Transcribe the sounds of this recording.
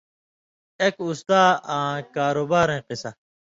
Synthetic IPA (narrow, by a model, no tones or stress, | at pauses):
ekust̪aːãːkaːɾoːbaːɾẽːqisɐ